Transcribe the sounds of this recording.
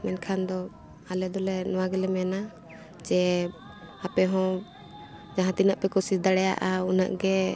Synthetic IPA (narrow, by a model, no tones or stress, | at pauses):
mɛnkʰand̪ɔ | alɛd̪ɔlɛnɔwaɡɛlɛmɛna | d͡ʒɛ | apɛɦɔ̃ | d͡ʒaɦãt̪inaʔpɛkɔsisd̪aɽɛja̰ʔauna̰ʔɡɛ